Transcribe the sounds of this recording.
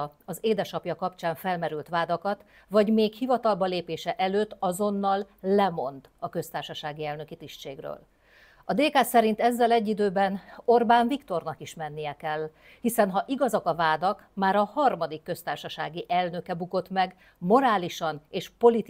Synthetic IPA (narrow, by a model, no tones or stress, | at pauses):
ɒzeːd̪ɛʃɒpjɒkɒpt͡ʃaːɱfɛlmɛɾylt̪ʋaːd̪ɒkɒt̪ | vɒɟmeːkhivɒt̪ɒlbɒleːpeːʃɛʔɛløːt̪ːɒzo̞nːɒlːɛmo̞̰nd̪ɒkø̞st̪aːrʃɒʃaːɡiɛlnø̞kit̪iʃt͡ʃḛːɡrø̰ːl | ɒd̪eːkaːsɛɾint̪ɛzːɛlɛɟːid̪øːbɛno̞rbaːɱvikt̪o̞rnɒkiʃmɛnːijɛkɛlː | hisɛnɦɒʔiɡɒzɒkɒvaːd̪ɒkmaːɾɒhɒrmɒd̪ikːø̞st̪aːrʃɒʃaːɡiʔɛlnø̞kɛbuko̞t̪mɛɡ | mo̞ɾaːliʃɒneːʃpo̞lit̪